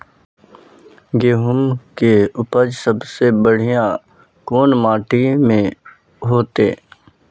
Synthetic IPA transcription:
ɡeːɦʊmkeʊpəd͡ʒsəbsebəɽ̤ijã | koːnmaːʈimẽ | ɦoːt̪eː

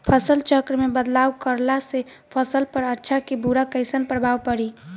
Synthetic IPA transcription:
pʰəsəlt͡ʃəkɾmebəd̪lawkəɾlase | pʰəsəlpəɾətːʃʰakibuɾakəɪsənpɾəbʱawpəɾi

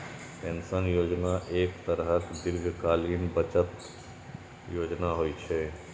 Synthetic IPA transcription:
pẽnsənjoːd͡ʒnaʔeːkt̪əɾɦək̪d̪ɪlɡʱkaːlinbət͡ʃət̪ | joːd͡ʒnaɦoːit͡ʃʰɛː

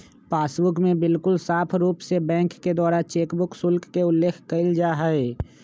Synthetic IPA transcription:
paːsbʊkmẽbɪlkʊlsaːpʰɾuːpsebɛ̃ːŋkːed̪waːɾat͡ʃeːkbʊksʊlkːeʊlːeːkʰkəɪld͡ʒaːɦəe

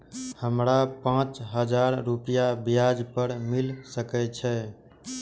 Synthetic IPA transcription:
həmɾapãt͡ʃɦəd͡ʒaɾɾupijabijad͡ʒpəɾmilsəkɛt͡ʃʰɛ

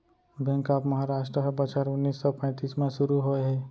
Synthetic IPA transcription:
bʱə̃ŋkaːpməɦaɾaːʃʈɾəɦbət͡ʃaɾʊnːiːsːɔpɛ̃ːt̪iːsmẽsʊɾuɦoeɦɛː

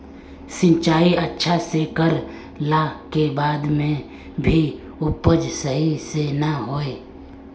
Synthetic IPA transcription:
sɪ̃nt͡ʃaːiətːʃʰasekəɾ | lakebaːd̪mẽ | bʱi | ʊpəd͡ʒsəɦisenaɦoːeː

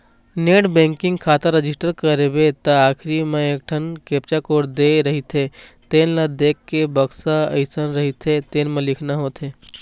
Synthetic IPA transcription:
neːʈbẽːŋkɪ̃ŋɡkʰaːt̪əɾːɐd͡ʒɪsʈəɾkəɾebet̪ɐaːkʰɾimẽeːk̚ʈʰənkeːp̚t͡ʃakoːɾd̪eːɾɐɦit̪ʰet̪eːnlad̪eːkːebɐksaɐɪsənɾɐɦit̪ʰet̪eːnmẽlɪkʰnaɦoːt̪ʰeː

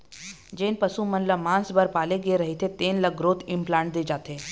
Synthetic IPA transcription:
d͡ʒeːnpɐsumɐnləmãːnsbɐɾpaːleɡeɾɐɦet̪ʰet̪eːnlɐɡɾoːt̪ɪ̃mplaːɳʈ̚d̪eːd͡ʒaːt̪eː

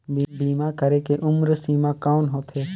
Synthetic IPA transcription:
bbiːmaːkəɾeːkeʔʊmɾsiːmãːkaːnɦoːt̪ʰeː

